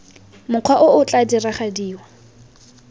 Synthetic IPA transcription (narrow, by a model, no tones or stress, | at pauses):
mʊq͡χʰwaʔʊʊt͡ɬʼadiraχadiːwa